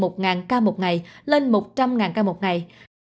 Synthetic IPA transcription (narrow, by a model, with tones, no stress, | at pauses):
mo˨˩t̚ŋaː˨˩nkaː˧mo˨˩t̚ŋa˨˩jle˧nmo˨˩t̚t͡ɕa˧mŋaː˨˩nkaː˧mo˨˩t̚ŋa˨˩j